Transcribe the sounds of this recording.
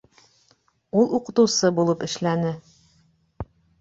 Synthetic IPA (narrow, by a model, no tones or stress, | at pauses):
ulˠuqɤ̆t̪ɤ̆wsɤbulˠɤpɘ̆ʃlænɘ